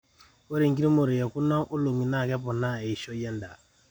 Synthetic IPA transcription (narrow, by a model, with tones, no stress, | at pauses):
o˦ɾi˨ŋ̩˨k̬i˦ɾi˦mo˨ɾe˨jɛ˨ku˦na˦ŋʔu˦lo˨ŋi˨na˦˨kɛ˦pɔ˨na˦˨ɛ˨i˨ʃɔ˦jɛ˦nda˨